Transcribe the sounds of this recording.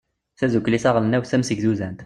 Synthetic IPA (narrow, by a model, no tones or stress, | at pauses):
θæzukːlisɑʁlənæwθæmsəɡzuzænt̪